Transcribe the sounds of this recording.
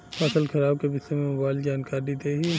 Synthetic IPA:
paːsəlxɐɾaːb̚kebɪsemẽmʊbaːɪld͡ʒaːnkaːɾd̪id̪eːɦiː

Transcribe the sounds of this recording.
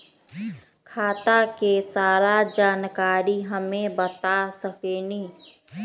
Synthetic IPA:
kʰaːt̪akesaːɾad͡ʒaːnkaːɾiɦəmẽbət̪asəkeːniː

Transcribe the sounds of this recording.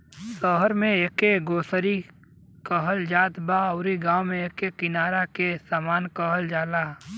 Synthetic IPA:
səɦəɾmẽeːkeɡoːsəɾi | kəɦəld͡ʒaːt̪baɐʊɾiɡaːwmẽeːkekɪnaːɾakesaːmaːnkəɦəld͡ʒaːlaː

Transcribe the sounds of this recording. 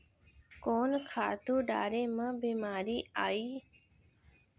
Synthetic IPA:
koːnkʰaːt̪uːɖa̰ːɾeːməbiːmaːɾiːaːiː

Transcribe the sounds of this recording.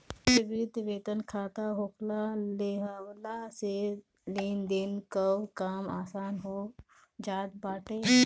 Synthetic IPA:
sbid̪ʋeːt̪ənkʰaːt̪aɦokʰlaleɦawlase | leːnd̪eːnkəwkaːmaːsaːnɦoː | d͡ʒaːd̪̚baːʈe

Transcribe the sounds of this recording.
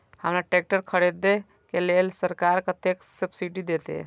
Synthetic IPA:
həmɾaʈek̚ʈəɾkʰəɽed̪e | kelelsəɾkaɾkət̪eksəbsiɖid̪et̪ḛ

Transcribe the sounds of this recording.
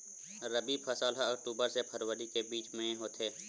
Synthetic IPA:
ɾəbipʰəsaːlɦaəkʈuːbəɾsepʰəɾʋəɾikebiːt͡ʃmẽɦoːt̪eː

